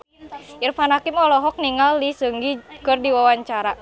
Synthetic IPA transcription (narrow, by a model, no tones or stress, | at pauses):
ʔirfanakimɔlɔɦɔk̚niŋalːisəŋɡikɨrdiwawaɲt͡ʃaɾa